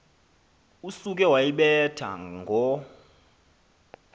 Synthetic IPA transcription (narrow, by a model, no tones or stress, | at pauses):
usuk̬ʼɛwajiɓɛtʰa̰ŋɡʱɔ